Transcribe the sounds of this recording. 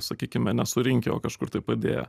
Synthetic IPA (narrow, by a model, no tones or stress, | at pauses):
sɐkʲiːkʲɪmʲɛnʲɛsʊɾʲɪŋʲkʲɛo̰ːkɐʃkʊɾt̪ɐɪpɐd̪ʲḛːjɛ̰